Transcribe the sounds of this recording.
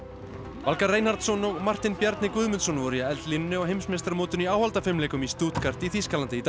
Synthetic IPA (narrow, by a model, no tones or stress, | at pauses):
valkaɾrːeːjnhaɾt̪sɔnɔɣmar̥t̪ɪnpjɛɾt̪nɪkʏðmʏnsɔnvɔɾijaɛlt̪linnːɪɔɣɦejmsmest̪aɾmoːt̪ʏniaːwhalt̪afɪmleːjkʏmist̪uːt̪kʰar̥t̪iθiskalant̪ɪit̪